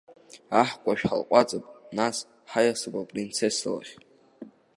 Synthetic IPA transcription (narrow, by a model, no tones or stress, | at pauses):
aħkʷʼaʃᶣħa̰lqʷʼat͡sʼapʼnas | ħajasɨbapʼrint͡sʰesla̰χʲ